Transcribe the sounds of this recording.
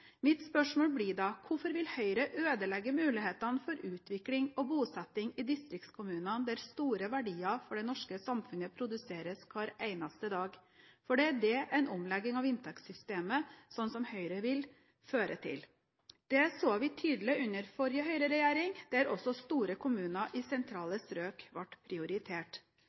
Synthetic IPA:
mɪt̪spœʂmoːlbliɖɑkʰʊfɔɾʋɪlhœʏɾəʔøːd̪əlɛɡːəmʉːlɪheːt̪ɑnfɔɾʉːt̪ʋɪklɪŋɔbuːsɛt̪ːɪŋɪd̪ɪst̪ɾɪkt̪skʰʊmʉːnɑnd̪æɾst̪uːɾəʋæɖiːɑfɔɖɛnɔʂkəsɑmfʉnəpʰɾʊd̪ʉseːɾəskʰʋɑːɾæɪnɑst̪əd̪ɑːɡfɔɖɛæɖɛʔɛɪnɔmlɛɡːɪŋɑʋɪnt̪ʰɛksʏst̪eːməsɔnsɔmhœʏɾəʋɪl | føːɾət̪ʰɪ̰l | d̪̥ɛsoːʋɪt̪ʰyːd̪lɪʉnəɾfɔɾjəɦœʏɾəɾɛjæːɾɪŋd̪̥ɛæɾɔsːɔst̪uːɾəkʰʊmʉːnɑʔɪsɛnt̪ʰɾɑːləsɾøːkʋɑʈpʰɾɪʊɾɪt̪ʰeːʈ

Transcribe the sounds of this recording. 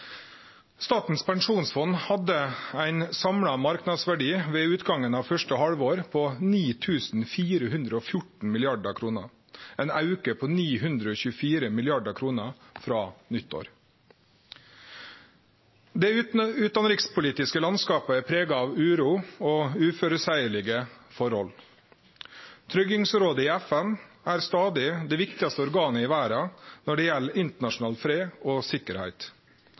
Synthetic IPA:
st̪ɑːt̪n̩spɛŋʂuːnsfɔnhɑd̪əæɪnsɑmɽɑmɑɾknɑd̪sʋæɖiːʋeːʉːt̪ɡɑŋənɑːʋfœʂʈəhɑlʋoːɾpʰoːniːt̪ʰʉːsn̩fiːɾəhʉnd̪ɾəoːfjʊʈɳ̩mɪlɪɑɖəkʰɾuːnə | ɛnɑʉkəpʰoːniːɦʉnd̪ɾəoːçʉːəfiːɾəmɪlɪɑɖəkʰɾuːnəfɾɑːnʏt̪ʰːo̰ːɾ | d̪ɛʉːt̪ɑnɾɪkspʰʊliːt̪ɪskəlɑnskɑːpəɛpʰɾeːɡɑɑːʋʉːɾuːoːʉːføːɾəsæɪəɭɪɡəfɔɾhɔl | t̪ʰɾʏɡɪŋsɾoːd̪əɪːæfɛn | æːɾst̪ɑːd̪ɪd̪ɛʋɪkt̪ɪɑst̪əɔɾɡɑːnəɪːʋæːɾɑnɔɖɛːjɛlːɪnt̪əɳɑʂn̩ɑːlfɾeːoːsɪkəɾhæ̰ɪt̪

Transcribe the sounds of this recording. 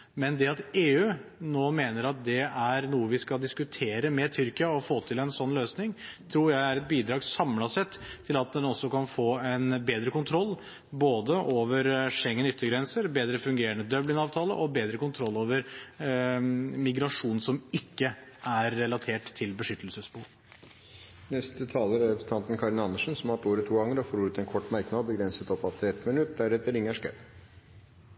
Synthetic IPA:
mɛnd̪ɛɑt̪eːʉːnoːmeːnəɾɑt̪̚d̪ɛæɾnuːəʋɪskɑld̪ɪskʉt̪ʰeːɾəmɛt̪ʰʏɾkəɑɔfoːt̪ʰɪlɛnsɔnːløːsnɪŋt̪ʰɾuːɾjæɪæɾɛt̪̚biːd̪ɾɑːɡsɑmlɑsɛt̪ʰːɪlɑt̪̚d̪ɛnɔsːɔkɑnfoːɛnbeːd̪ɾəkʊnt̪ʰɾɔlː | boːd̪əʔoːʋəɾʂɛŋːənʏt̪ːəɾɡɾɛnsəɾbeːd̪ɾəfʉŋɡeːɾənəd̪œblɪŋɑːʋt̪ʰɑːlə̰ʔɔbeːd̪ɾəkʊnt̪ʰɾɔlːoːʋəɾ | mɪɡɾɑʂuːnn̩sɔmɪkːəʔæɾːɛlɑt̪ʰeːʈt̪ʰːɪlbəʂʏt̪ːəlsəsbuːɾ | nɛst̪ət̪ʰɑːləɾæɾɛpɾsn̩t̪ʰɑnt̪n̩kʰɑɾɪnɑnːəʂənsɔmɑʈoːɾət̪ʰːuːɡɑŋːəɾɔfoːɾʉːt̪ɛnkʰɔʈːmæɾknɑd̪bəɡɾɛnsət̪ɔpɑt̪ːɪɛt̪mɪnʉt̪̚d̪æɖɛt̪ːəɾɪŋːəʂkæp

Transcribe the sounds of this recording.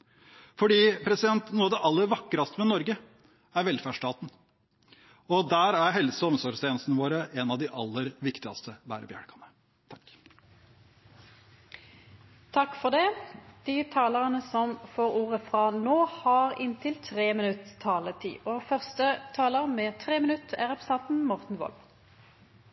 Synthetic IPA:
fɔɖiːpʰɾɛsɪd̪ɛnt̪nuːɑd̪ɛʔɑlːəɾʋɑkːɾɑst̪əmɛnɔɾɡə | æɾʋɛlfæɖʂʈɑːt̪n̩ | ɔd̪æːɾæɾɦɛlsəɔmsɔɾst̪ʰeːnst̪nəʋoːɾəʔɛnɑʋd̪ɪʔɑlːəɾʋɪkt̪ɪɡɑst̪ʰəbæ̰ːɾəbjæ̰ɽkʰɑnə | t̪ʰɑ̥kː | t̪ʰɑkːfɔʁd̪ɛd̪̥it̪ʰɑːləʁənəsɔmfoːʁuːʁəfʁɑnoːhɑːʁɪnt̪ʰɪlt̪ʰʁeːmɪnʉt̪ʰːɑːlət̪ʰḭːʔɔːfœʁst̪ət̪ʰɑːləʁmeːt̪ʰʁeːmɪnʉt̪æ̰ʁɛpʰəsɛnt̪n̩mɔʁt̪n̩ʋɔ̰lm

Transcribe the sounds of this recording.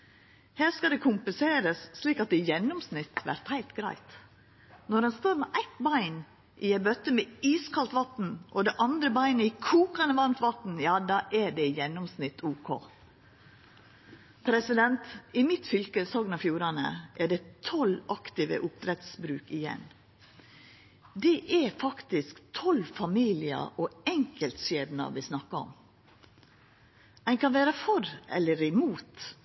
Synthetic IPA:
hæːɾskɑd̪ɛkʰʊmpəseːɾəsːliːkɑt̪̚d̪ɛjɛnːʊmsnɪt̪ːʋæ̰ɾt̪hæɪt̪ɡɾæ̰ɪt̪ | nɔɖɛnst̪oːɾmɛʔæɪt̪bɑɪn | ʔɪɛbœt̪əmɛiːskʰɑlt̪ʋɑt̪n̩ʔɔd̪ɛʔɑnd̪ɾəbɑɪnəɪkʰuːkɑnəʋɑnt̪ʋɑt̪n̩jɑːd̪ɑːʔɛɖɛjɛnːɔmsnɪt̪ʰːuːkʰo̰ː | pʰɾɛsɪd̪ɛnt̪ɪmɪt̪fʏlkəsɔɡnɑfjuːɾɑnə̰ʔæɖɛt̪ʰɔlɑkt̪ɪʋə̰ʔʊp̚t̪ɾɛt̪sbɾʉːkɪjɛ̰n | d̪ɛʔɛfɑkt̪ɪskt̪ʰɔlfɑmiːlɪə̰ʔɔɛŋkəlt̪ʃeːd̪nɑ̰ʋɪsnɑkːɑɔ̰m | æɪnkʰɑnʋeːɾəfɔɾɛ̰lːəɾɪmuːt̪

